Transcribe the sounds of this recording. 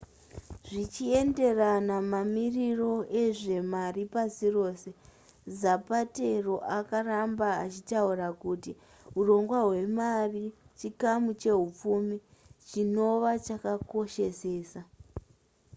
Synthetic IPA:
ʐit͡ʃie̞nde̞ranamamiriro̞ʔe̞ʐe̞maripasiro̞ːse̞ | zapate̞ro̞ʔakarambaat͡ʃitaurakuti | ɦuro̞ŋɡwaɦwe̞marit͡ʃikamut͡ʃe̞ɦup͡fumi | t͡ʃino̞ʋat͡ʃakako̞ʃe̞se̞ːsa

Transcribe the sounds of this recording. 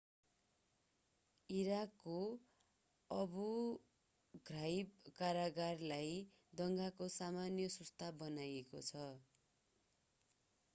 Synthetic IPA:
iɾakːo | ʌbu | ɡrajb̚kaɾaɡarlaj | d̪ʌŋɡakosamanjʌsust̪ʰabʌnajekot͡sʰʌ

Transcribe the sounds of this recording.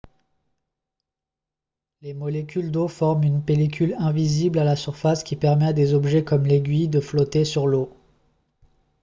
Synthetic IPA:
lemɔlekʲyld̪ofɔʁmynpelek̬ʲʰylɛ̃viziblalasyʁfaskʲipɛʁmɛad̪ezɔbʒɛkɔmleɡʲɥid̪əflɔt̪esyʁlo

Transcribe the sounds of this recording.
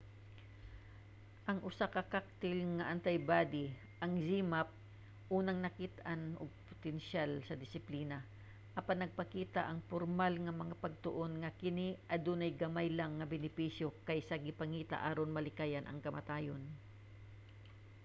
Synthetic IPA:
ʔɐŋʔʊsakɐkak̚t̪ɪlŋɐʔɐnt̪ɐjbaːd̪ɪ | ʔɐŋziːmap̚ | ʔuːnɐŋnɐkɪt̪ʔanʔo̰ɡ̚po̥t̪ɛnʃalsɐd̪ɪsɪpliːna | ʔɐpanːɐɡ̚pɐkiːt̪aʔɐŋpoɾmalŋɐmɐŋapɐɡ̚t̪oʔo̞nŋɐkɪniʔɐd̪unɐjɡɐmajlaŋːɐbɛnɪpiʃjo̞kɐjsɐɡɪpɐŋiːt̪a̰ʔaːɾonmɐlɪkaːjɐnʔɐ̰ŋkɐmʔɐ̰t̪aːjon

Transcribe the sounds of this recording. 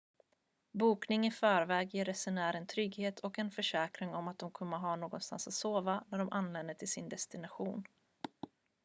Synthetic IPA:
buːknɪŋɪfœːɾvɛːɡjeːɾɛsɛnæːɾɛnt̪ʰɾʏɡheːt̪ʰɔkɛnfœʂɛːkɾɪŋɔmat̪̚d̪ɔmkʰɵmːəɦɑːnoːɡɔnst̪a̰nsat̪soːvanæɖɔmʔanlɛnd̪əʈʰɪlsɪnd̪ɛst̪ɪnaɧuːn

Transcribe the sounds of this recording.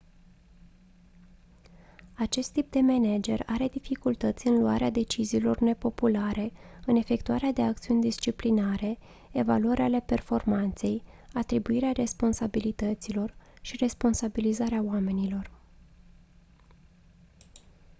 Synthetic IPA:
at͡ʃe̞st̪ːip̚d̪e̞mened͡ʒe̞raɾe̞d̪ifikult̪ət̪sʲɨnlua̰ɾead̪e̞t͡ʃiziːlo̞rne̞po̞pulaɾe̞ɨne̞fe̞k̚t̪uaɾead̪e̞ak̚t̪siunʲd̪ist͡ʃiplinaɾe̞ | eva̰luəɾeale̞pe̞rfo̞rmant̪se̞jat̪ɾibuiɾeare̞spo̞nsabilit̪ət̪silo̞rʃire̞spo̞nsabilizaɾeaoame̞nilo̞r

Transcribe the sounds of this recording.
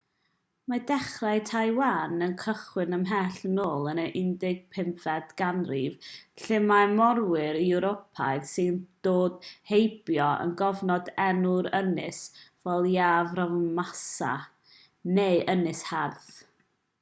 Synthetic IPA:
madɛχrajtʰajwaːnənkʰəχwɪnəmɦɛɬnoːlˠənəʔɪndɪɡ̚pʰɪmfɛdɡ̥anrivɬɪmajmɔrwɪɾiɛɾopʰa̰jðsɪnd̥oːdhejbjɔə̰nɡɔvnɔdɛnʊɾənɪsvɛlˠjaːvrɔvmasa̰ | neɨʔənɪsharθ

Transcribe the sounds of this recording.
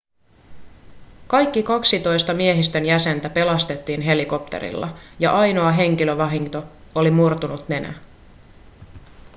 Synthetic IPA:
kɑjkːikɑksit̪o̞jst̪ɑmie̞ɦist̪ø̞njæse̞nt̪æpe̞lɑst̪e̞t̪ːiːnɦe̞liko̞pt̪ḛɾḭlːɑ̰jɑ̰ʔɑjno̞ɑɦe̞ŋk̟iløʋɑɦiŋt̪o̞olimurt̪unut̪ne̞nʔæ̰

